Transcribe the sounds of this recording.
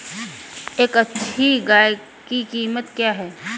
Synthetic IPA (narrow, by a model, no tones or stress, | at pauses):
eːkɐtːʃʰiɡaːj | kikiːmət̪kjaːɦɛː